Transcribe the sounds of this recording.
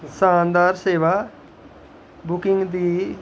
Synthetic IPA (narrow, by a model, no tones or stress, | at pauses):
saːnd̪aːɾseːʋaː | bʊkɪ̃ŋɡd̪iː